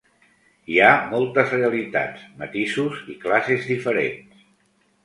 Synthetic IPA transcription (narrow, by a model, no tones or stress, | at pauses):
iamɔlˠt̪əzreəlit̪a̰t͡smət̪isuziklasezðifəɾḛns